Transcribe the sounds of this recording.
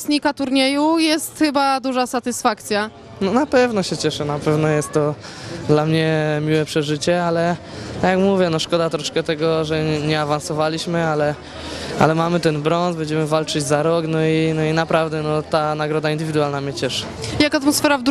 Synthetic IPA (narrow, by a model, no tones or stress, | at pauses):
sɲikat̪uɾɲɛjujɛst̪xɘbad̪uʐasat̪ɘsfakt̪sʲja | nɔnapɛvnɔɕɛt͡ɕɛʂɛnapɛvnɔjɛst̪ːɔ | d̪lamɲɛmʲiwɛpʂɛʐɘt͡ɕɛalɛ | t̪akʲjakmuvʲjɛnɔʂkɔd̪at̪ɾɔʂkɛt̪ɛɡɔʐɛɲɛavansɔvalʲiɕmɘalɛ | a̰lɛmamɘt̪ɛnbɾɔnsbɛɲd͡ʑɛmɘvalt͡ʂɘd͡ʑzaɾɔknɔinɔinapɾavd̪ɛnɔt̪anaɡɾɔd̪aind̪ɘvʲid̪uwalnamɲɛt͡ɕɛʂɛ̥ | jakat̪mɔsfɛɾavd̪